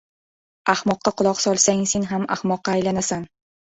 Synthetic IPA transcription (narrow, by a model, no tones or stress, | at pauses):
ahmɒqːɑqʰʊlˠɒqsɒlˠsaŋse̞nɦama̰hmɒqːɑːjlanasan